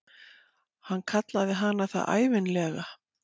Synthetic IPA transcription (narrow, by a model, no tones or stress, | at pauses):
hankʰat̪laðɪɦanːaθa̰ʔa̰ːjvɪnlɛːɣa